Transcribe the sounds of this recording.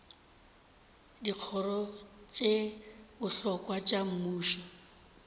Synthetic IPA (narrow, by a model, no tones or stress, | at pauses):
diq͡χʰɔrɔt͡ʃʼebʊɬɔkʼwat͡ʃʼam̩muːʃɔ